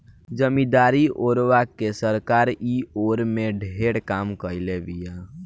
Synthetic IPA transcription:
d͡ʒəmĩd̪aːɾiʔoːɾʋakesəɾkaːɾioːɾmẽɖʱeːɽkaːmkəilebija

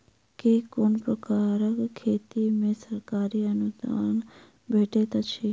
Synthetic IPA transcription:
kekʊnpɾəkaːɾəkkʰːeːt̪imẽsəɾkaːɾiənʊd̪a̰ːn | bʱeːʈet̪at͡ʃʰiː

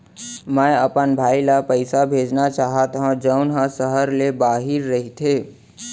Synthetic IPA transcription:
mə̃əpənbʱaːilapəɪsabʱeːd͡ʒnat͡ʃaːɦət̪ɦãd͡ʒəʊnɦə̃səɦəɾlebaːɦɪɾːəɦit̪ʰeː

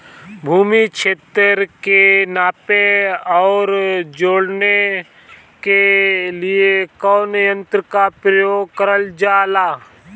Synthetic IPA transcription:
bʱuːmikʃeːt̪ɾəɾkenaːpeɔːɾd͡ʒoːɽne | kelɪekɔːnɪjə̃nt̪ɾəkapɾəjoːɡ̚kəɾəld͡ʒaːlaː

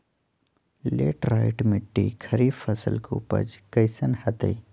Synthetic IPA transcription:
leːʈɾaːɪʈmɪʈːikʰɐɾiːfɐsə̰lkʰṵpɐ̰d͡ʒkɐjsɐnhɐt̪ɐ̰i

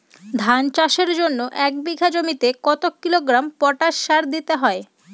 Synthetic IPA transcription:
d̪ʱant͡ɕaʃeɾd͡ʑonːoʔɛk̚biɡʱad͡ʑomit̪ekɔt̪okːiloɡɾampɔʈaʃʃaɾd̪it̪eɦɔe

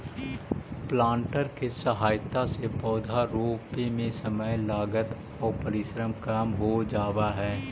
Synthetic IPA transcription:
plãːɳʈəɾkesəɦaːjt̪asepɔːd̪ʱaɾoːpemẽsəməjlaːɡət̪ | ɔːɾpəɾɪʃɾəmkamɦod͡ʒaːwaɦɛː

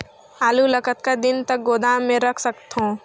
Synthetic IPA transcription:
aːlulɐkət̪kad̪ɪnt̪ɐk̚ɡoːd̪aːmːẽɾɐkʰsɐkt̪ɦõː

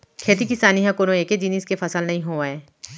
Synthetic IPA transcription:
kʰeːt̪ikisaːniɦɛ̃konõeːked͡ʒiniːskefʰɐsəlnɐɦĩɦoːaẽː

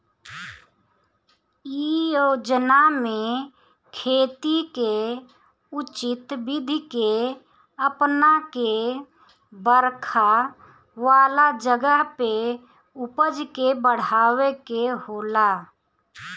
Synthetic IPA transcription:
iod͡ʒənamẽ | kʰeːt̪ike | ʊt͡ʃɪt̪bɪd̪ʱike | əpnake | bəɾkʰa | ʋaːlad͡ʒəɡəɦpe | ʊpəd͡ʒkebəɽ̤aːwekehoːla

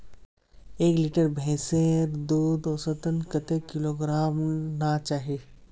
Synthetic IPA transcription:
eːklɪʈəɾbʱẽːseɾd̪oːd̪oːsət̪ənkət̪ekɪloːɡɾaːmnat͡ʃaːɦiː

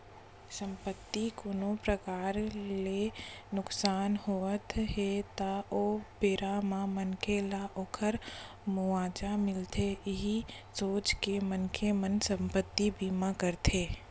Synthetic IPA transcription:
sə̃mpət̪ːikoːnopɾəkaːɾlenʊksaːnɦoət̪ɦet̪aoːpeːɾamãmənkelaʔoːkʰəɾ | mʊaːd͡ʒamɪlt̪ʰeɪɦi | soːt͡ʃkemənkʰemənsə̃mpət̪ːibiːmakəɾt̪ʰeː

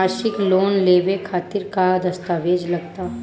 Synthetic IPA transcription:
aʃɪkloːnleːʋekʰaːt̪ɪɾkad̪ɐst̪aːʋeːd͡ʒlɐɡ̚t̪a

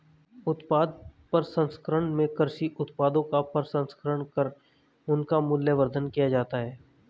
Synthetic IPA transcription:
ʊt̪paːd̪̚pɐɾsɐ̃nskəɾəɽmẽkəɾʃiʔʊt̪paːd̪õkapəɾsɐ̃nskəɾəɳ̃kəɾ | ʊnkamʊljəʋəɾd̪ʱənkijad͡ʒaːt̪aɦɛː

